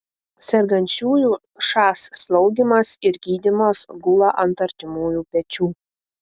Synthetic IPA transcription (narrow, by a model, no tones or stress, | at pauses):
sʲɛɾɡɐnʲt͡ʃʲuːjuː | ʃɑːsːlˠɒʊɡ̪ʲɪmɐsɪɾɡʲiːd̪ʲɪmɐsɡʊlˠɐʔɐnt̪ɐɾʲt̪ʲɪmuːjuːpʲɛt͡ʃʲuː